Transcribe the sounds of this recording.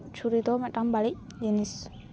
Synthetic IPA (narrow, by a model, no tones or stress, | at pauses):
t͡ʃʰuɾid̪oːmɛʈɐmbaɭi | d͡ʒenis